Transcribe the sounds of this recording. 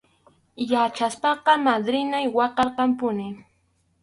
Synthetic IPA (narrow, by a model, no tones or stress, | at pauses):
jat͡ʃaspɑqɑmad̪ɾɪnajwɑqɑɾqɑmpʊnɪ